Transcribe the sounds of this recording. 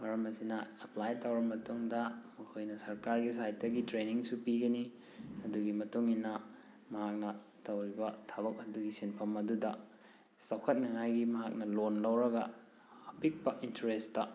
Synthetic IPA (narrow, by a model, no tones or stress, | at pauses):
wɐɾɐmɐsinɐɐplajtawɾɐmɐtuŋdɐmukʰojnɐsɐɾkaɾɡis̬ajt̚ːɐɡitɾeniŋsupiɡɐni | ɐduɡimɐtuŋinɐ | mɐɦak̚nɐ | tɐwɾibɐtʰaβɐk̚ɐduɡisinpʰɐmɐdudɐ | sɐwkʰɐt̚nɐŋajɡimɐɦak̚nɐlonlɐwɾɐɡɐː | pik̚pɐʔintɐɾestɐ